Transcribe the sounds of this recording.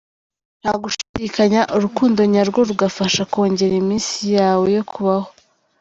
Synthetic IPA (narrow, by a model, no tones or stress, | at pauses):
n̥haɡuʃiɟikaɲaʔuɾukuːndo̞ɲaɾɡo̞ɾuɡafaʃako̞ːɲɟe̞ɾimiːnsijaːwe̞jo̞kʰuβaho̞